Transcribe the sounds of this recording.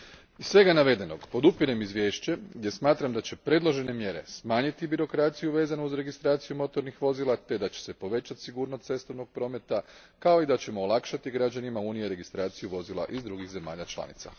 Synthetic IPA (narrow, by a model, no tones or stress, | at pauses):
izssʋe̞ɡanaʋe̞d̪e̞no̞ɡpo̞d̪upiɾe̞mizʋʲje̞ːʃt͡ɕeɡd̪ʲje̞smaːt̪ɾamd̪at͡ɕe̞pɾe̞d̪lˠo̞ʒe̞ne̞mje̞ɾe̞̰smaːɲit̪ibiɾo̞kɾaːt̪sijuʋe̞ːzanuuzɾe̞ɡist̪ɾaːt̪sijumo̞t̪o̞ɾnixʋo̞zilˠat̪e̞d̪at͡ɕe̥se̞po̞ʋe̞t͡ɕat̪siɡuːɾno̞st̪se̞st̪oʋnoɡ̚pɾo̞ːme̞t̪a | kao̞id̪at͡ɕe̞moːlˠakʃat̪iɡɾad͡ʑanimauːnijeɾe̞ɡist̪ɾaːt̪sijuʋo̞zilˠa̰ʔizd̪ɾuɡixze̞ma̰ːʎat͡ʃlˠa̰nḭt̪sa̰